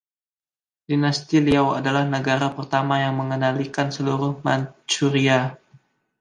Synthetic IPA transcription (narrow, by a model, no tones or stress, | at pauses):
dinast̪iliawadalahnəɡaɾapərt̪amajaŋməŋənalikansəluɾʊhmant͡ʃuɾia